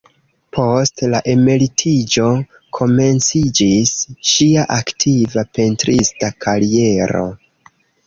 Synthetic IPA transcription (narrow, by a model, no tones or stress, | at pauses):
pʰo̞stlaʔe̞me̞litʰid͡ʒo̞ | kʰo̞me̞nt͡sid͡ʒisʃiaʔaktʰivape̞ntɾistakʰaɾie̞ɾo̞̰